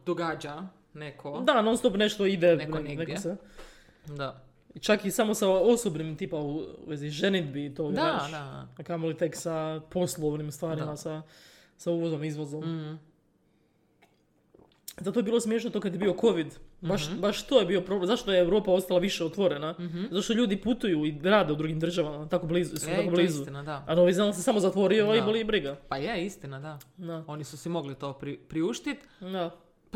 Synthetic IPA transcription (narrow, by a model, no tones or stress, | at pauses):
d̪oɡaːd͡ʒa | nekʰod̪anonst̪opne̞ʃt̪oid̪enenekose | d̪a | it͡ʃakisamo̞saosobnimt̪iːpauʋeziʒenid̪bit̪oːaʃkamolit̪eksapʰo̞slˠoʋnimst̪ʋaːɾimasa | sauːʋozomizʋozom | zat̪ojebiːlo̞smjeʃnot̪okad̪jebio̞ko̞ʋid̪baʃbaʃt̪ojebiopɾo̞blemzaʃt̪ojeeʋwɾo̞ːpao̞st̪alaʋiʃeot̪ʋo̞ɾenazat̪oʃt̪oʎuːd̪iput̪ujuiɾaːd̪e̞ud̪ɾuːɡimd̪ɾr̩ʒaʋamat̪akobliːzusakoblizunad̪aanoʋizasesamo̞zat̪ʋo̞ɾioibolibɾiɡapajeist̪inad̪ad̪aonisusimoɡlit̪oːpɾipɾiuʃt̪it̪ | d̪a